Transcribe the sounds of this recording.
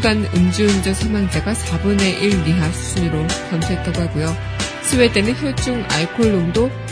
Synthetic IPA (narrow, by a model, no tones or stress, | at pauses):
ɡanɯnd͡ʑɯɯnd͡ʑʌsʰamwaŋd͡ʑaɡasʰabɯne̞ʔiɭmiɦasʰu̥sʰuniɾokamsʰoɦet͈ʰaɡoɦak͈ojo | sʰɯwe̞t͈e̞nɯnçjot͡ɕ͈uŋa̰ɭkʰoɭːondo